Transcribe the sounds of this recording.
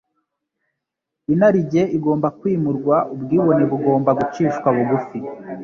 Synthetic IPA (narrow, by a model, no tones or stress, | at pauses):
inaɾiɟe̞iɡo̞ːmbakwiːmuɾɡwaʔubɡiːβo̞neβuɡo̞ːmbaɡut͡ʃiːʃkwaβuɡufi